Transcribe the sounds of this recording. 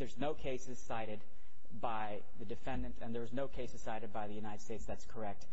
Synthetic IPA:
ðə˞znoʊkʰeɪsɨz̥saɪɾɨd̚ | baɪ | ðɨdɨfɛ̃ndɨ̃ntʰɨ̃nðə˞znoʊkʰeɪsɨz̥saɪɾɨd̚baɪðɨjʉnaɪɾɨd̥steɪtsðætskʰə˞ɛk̚t̚

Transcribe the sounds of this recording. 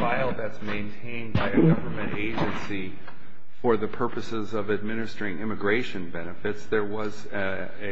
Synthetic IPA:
aɪlˠðɨtsmẽɪ̃ntʰẽɪ̃nbaɪɨɡʌvə˞mɨ̃ñteɪd͡ʒɨ̃nsi | fə˞ðɨpʰɜ˞pɨsɪzʌvɨd̚mɪnɨstɪ̃ŋɪ̃mɨɡɹeɪʃɨ̃nbɛnɨfɨtsðə˞wʌz

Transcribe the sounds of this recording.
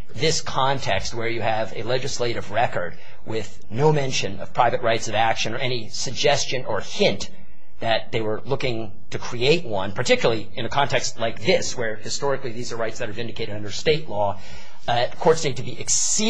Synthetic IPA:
ðɪskʰɑ̃ntʰɛkst̚wə˞jɨɨvɨ̰lɛd͡ʒɨsleɪɾɨvɹɛkə˞d̚ | wɪð | noʊmɛ̃nʃɨ̃nʌ̰v̥pʰɹ̥aɪvɨt̚ɹaɪtsʌvækʃɨ̃nə˞ʔɛñi | sɨɡ̚d͡ʒɛst͡ʃɨ̃nə˞hɪ̃n | ðɨt̪̚ðeɪwə˞lʊkɪ̃ŋ | tʰɨkʰɹ̥ieɪt̚wʌ̃npʰə˞tʰɪkjl̩ˠl̩ˠiɨ̃nɨkʰɑ̃ntʰɛkstˡlaɪk̚ðɪswə˞hɨstɔɹɨkliðizə˞ɹaɪtsðɨɾə˞vɪ̃ndɨkʰeɪɾɨɾʌ̃ndə˞steɪʔˡlɔ | kʰɔɹtsnitʰɨbiʔɨks | i

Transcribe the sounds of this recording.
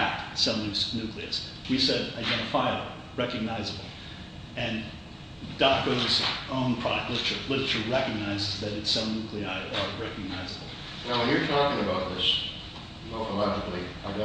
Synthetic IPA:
k̚tsʌ̃mθɪ̃ŋsnʉkliɨ̰s | wisɛɾaɪdɛ̃ñəfaɪ | ɹɛkɨɡ̚naɪzəbl̩ˠ | ɨ̃n | d̥ɑkoʊzõʊ̃npʰɹ̥ɑlɪɾət͡ʃə˞lɪɾə˞ət͡ʃə˞ɹɛkɨɡ̚naɪzɨzðɨɾɨtsõʊ̃nʉkʰliaɪɾə˞ɹɛkɨɡ̚naɪzəbl̩ˠ | naʊwə̃njə˞tʰɔkɪ̃ŋɨbaʊt̪̚ðɪs | olˠθəlɑd͡ʒɨkli | aɪwɛ

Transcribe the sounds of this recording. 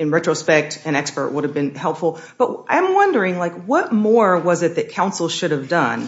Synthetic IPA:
ɨ̃nɹɛtɹ̥oʊspɛk̚tɨ̃ɾ̃ɛkspə˞ʔwʊɾɨvbɨ̃nhɛlˠpfl̩ˠ | b̥ʌʔ̚ãɪ̃mwʌ̃ndə˞ɪ̃ŋlaɪkwʌt̚mɔɹwʌzɨt̪̚ðɨt̚kʰãʊ̃nsl̩ˠʃʊɾɨvdʌ̃n

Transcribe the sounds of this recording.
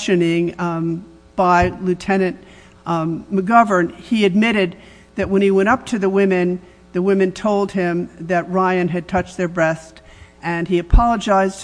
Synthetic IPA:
ʃɨnɪ̃ŋ | b̥aɪlʉtʰɛnɨ̃nʔ | məɡʌvə˞niɨd̚mɪɾɨd̪̚ | ðɨt̚wə̃ñiwɛ̃ɾ̃ʌp̚tʰɨðəwɪ̃mɨ̃n | ðɨwɪ̃mɨ̃ntʰoʊlˠd̚ɪ̃mðɨt̚ɹaɪɨ̃nɨd̚tʰʌt͡ʃðə˞bɹɛst | ʔɨ̃niɨpʰɑlˠəd͡ʒaɪzd

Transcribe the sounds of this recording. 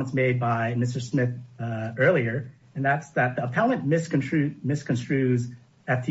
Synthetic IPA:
ə̃nsmeɪd̚baɪmɪstə˞smɪθɜ˞lˠiə˞ | ɨ̃nðætsðɨt̪̚ðə̥tʰælˠə̃nmɪskɨ̃ntʰɹ̥ʉmɪskɨ̃n̩stɹ̥ʉz | ɨt̪̚ðɨ

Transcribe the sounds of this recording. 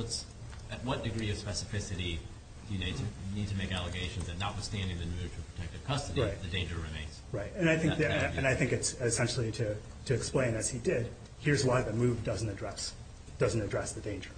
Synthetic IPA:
əts | ɨt̚wʌt̚d̥ɨɡɹiʌv̥spɛsɨfɪsɨɾi | d̥ɨjɨnitʰɨnid̚tʰɨmeɪkælˠəɨɡeɪʃɨ̃n̩zɨtⁿnət̚wɨθstæ̃ndɪ̃ŋðɨnʉnɨt͡ʃl̩ˠpʰɹ̥ə̥tʰɛk̚tɨv̥kʰʌstɨɾiɹaɪtðɨdẽɪ̃nd͡ʒə˞ɹɨmẽɪ̃nz̥ɹaɪt̚ɨ̃naɪθɪ̃ŋðɨ̃ɨ̃naɪθɪ̃ŋkɨtsɪsɛ̃nʃl̩ˠiɾɨ | ɾɨːksplẽɪ̃nɨz̥idɪd̥̚ | hiɹzwaɪðɨmʉvdʌz̃n̩tɨdɹɛs | d̥ʌzn̩tɨdɹɛsðɨdẽɪ̃nd͡ʒə˞

